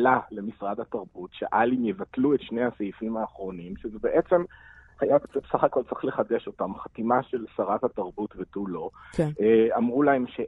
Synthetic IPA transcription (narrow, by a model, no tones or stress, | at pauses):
lale̞misʁad̪hataʁbutʃḛʔalimjevatluetʃnejhasejifimaːχʁo̞nimʃezebe̞ʔet͡semhajabet͡sesaχako̞lt͡siχleχadeʃo̞tamχatimaʃelsaʁathataʁbutvetulo̞ | amʁulae̞mʃe